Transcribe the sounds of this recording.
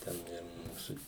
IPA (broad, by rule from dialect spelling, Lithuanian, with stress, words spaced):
ˈtʲɛn ˈɪr ˈmuːsʊ